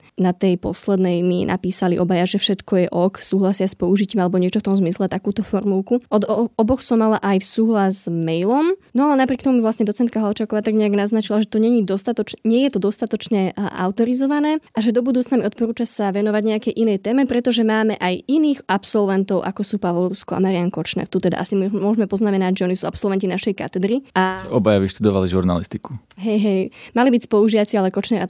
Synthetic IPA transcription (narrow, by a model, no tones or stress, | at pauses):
nat̪ɛjpɔslɛd̪nɛjmḭna̰piːsalḭʔɔbajaʒɛfʃɛt̪kʰɔjɛʔɔksuːɦlasɪaspɔuʒiciːmalɛbɔɲɪɛt͡ʃɔft̪ɔmzmislɛt̪akuːt̪ɔfɔɾmulˠkuʔɔd̪ɔbɔxsɔmːalaʔajsuːɦlazzmɛjlɔmnɔalɛnapɾɪɛkt̪ɔmumivlasɲɛd̪ɔt͡sɛnt̪kaɦalt͡ʃakɔʋat̪aɡɲɛaɡnaznat͡ʃilaʒɛt̪ɔɲɛɲid̪ɔst̪at̪ɔt͡ʃɲɪɛjɛt̪ɔd̪ɔst̪at̪ɔt͡ʃɲɛa̰ʊt̪ɔɾizɔʋanɛːaʒɛd̪ɔbud̪uːt͡snamiɔt̪̚pɔɾuːt͡ʃasaʋɛnɔʋaɟɲɛakɛjʔinɛːjt̪ɛːmɛpɾɛt̪ɔʒɛmaːmɛʔajʔiniːxapsɔlʋɛnt̪ɔʊʔa̰kɔsuːpaʋɔluskɔa̰maɾijaŋkɔt͡ʃnɛ̰ɾt̪ut̪ɛd̪a̰ʔasimmʊɔʒmɛpɔznamɛnaɟʒɛɔnisuːapsɔlˠʋɛncinaʃɛjka̰t̪ɛd̪ɾiaʒɛʔɔbajabiʃt̪ud̪ɔʋaliʒuɾna̰list̪ikuɦɛjɦɛjmalibicspɔuʒiʋat͡sialɛkɔt͡ʃnɛɾa